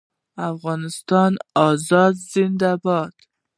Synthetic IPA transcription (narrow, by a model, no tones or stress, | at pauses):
afɣɑnɪst̪ɑnɒzɑd̪zɪnd̪abɔt̪